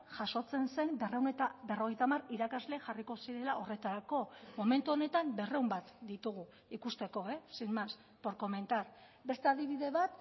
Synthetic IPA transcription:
ʝaso̞t͡se̞nse̞mberewnet̪abe̞ro̞ɣ̞e̞jt̪amariɾakazle̞ʝariko̞siɾe̞laʔo̞re̞t̪aɾako̞mo̞me̞nt̪uo̞ne̞t̪ambe̞re̞umbat̪d̪it̪uɣu | ikust̪e̞ko̞e̞simas | po̞ɾko̞me̞nt̪aɾ | be̞st̪e̞aðiβ̞iðe̞βat̪

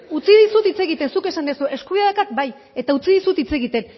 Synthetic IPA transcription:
ut͡siðisut̪it͡se̞ɣit̪e̞nsuke̞sand̪esuʔe̞skuβiaðakat̚baj | e̞t̪aut͡siðisut̪it͡se̞ɣit̪e̞n

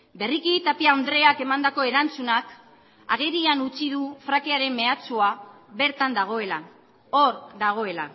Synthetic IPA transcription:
be̞rikit̪apiaond̪ɾe̞ake̞mand̪ako̞e̞ɾant͡sunak | a̰ɣeɾianut͡sið̞ufɾakeaɾe̞mːe̞at͡sua | βe̞ɾt̪and̪aɣ̞o̞e̞la | oɾd̪aɣ̞o̞e̞la

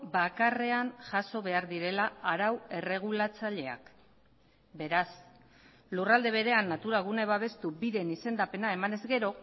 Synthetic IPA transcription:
bakare̞anʝaso̞βe̞aɾðiɾe̞laaɾawe̞re̞ɣ̞ulat͡saʎe̞a̰k | be̞ɾas | lurald̪e̞β̞e̞ɾe̞anːat̪uɾaɣ̞uneβaβ̞e̞st̪ubiðe̞nise̞nd̪ape̞nae̞mane̞zɡe̞ɾo̞

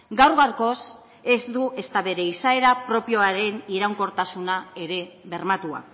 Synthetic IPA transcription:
ɡawɾɣarko̞s | e̞zd̪uʔe̞st̪aβe̞ɾe̞isae̞ɾapɾo̞pio̞aɾe̞niɾawŋko̞ɾt̪asunae̞ɾe̞βe̞ɾmat̪ua̰

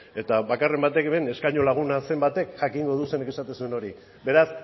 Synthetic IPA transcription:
e̞t̪aβakare̞mbat̪e̞keme̞ne̞skajɲo̞laɣ̞unase̞mbat̪e̞kʝakiŋɡo̞ð̞useneke̞sat̪esueno̞ɾi | be̞ɾas

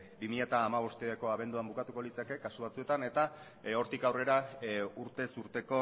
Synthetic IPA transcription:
bimiʎat̪aːmaβ̞o̞st̪eako̞aβ̞e̞nd̪uambukat̪uko̞lit͡sake̞kasuβat͡sue̞t̪ane̞t̪a | o̞ɾt̪ikawre̞ɾauɾt̪e̞suɾt̪e̞ko̞

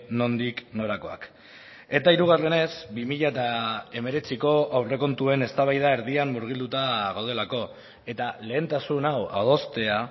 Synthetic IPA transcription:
no̞nd̪ikno̞ɾako̞a̰k | e̞t̪aiɾuɣ̞are̞ne̞sbimiʎaet̪ae̞me̞ɾe̞t͡siko̞awre̞ko̞nt̪ue̞ne̞st̪aβajðae̞ɾðiamːuɾɣ̞ild̪ut̪aɣawð̞e̞lako̞ | e̞t̪ale̞ːnt̪asunawa̰ð̞o̞st̪e̞a

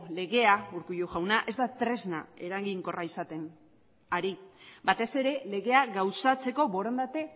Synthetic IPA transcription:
le̞ɣe̞auɾkujuʝawnaʔe̞zd̪at̪ɾe̞znae̞ɾaɣiŋko̞raisat̪e̞n | aɾibat̪e̞se̞ɾe̞le̞ɣe̞aɣawsat͡se̞ko̞bo̞ɾond̪at̪e̞

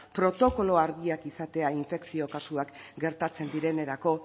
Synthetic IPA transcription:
pɾo̞t̪o̞ko̞lo̞aɾɣiakisat̪e̞aiɱfe̞ksio̞kasuakɡe̞ɾt̪at͡se̞nd̪iɾe̞ne̞ɾako̞

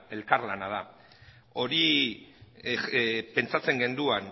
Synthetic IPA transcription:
e̞lkaɾlanað̞a | o̞ɾi | pe̞nt͡sat͡se̞ŋɡe̞nd̪uan

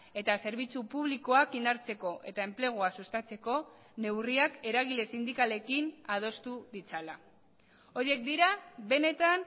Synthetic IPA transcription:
e̞t̪ase̞ɾβ̞it͡supuβ̞liko̞akind̪aɾt͡se̞ko̞ʔe̞̰t̪ae̞mple̞ɣ̞oasust̪at͡se̞ko̞ | ne̞wriake̞ɾaɣ̞ile̞sind̪ikale̞kinað̞o̞st̪uðit͡sala | o̞ɾie̞kd̪iɾabe̞ne̞t̪an

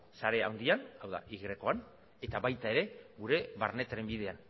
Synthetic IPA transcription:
saɾe̞a̰wnd̪ianawða̰ʔiɣɾe̞ko̞an | e̞t̪aβajt̪ae̞ɾe̞ɣuɾe̞βaɾne̞t̪aɾe̞mbiðe̞an

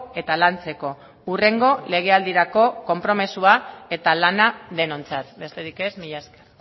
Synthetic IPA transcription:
e̞t̪alant͡se̞ko̞ | ure̞ŋɡo̞le̞ɣ̞e̞ald̪iɾako̞ko̞mpɾo̞mesuae̞t̪alanaðe̞no̞nt͡sat̪be̞st̪e̞ɾike̞zmiʎaskḁ

